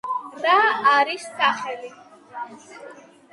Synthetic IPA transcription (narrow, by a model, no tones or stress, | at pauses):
ɾaːɾistʼaχɛli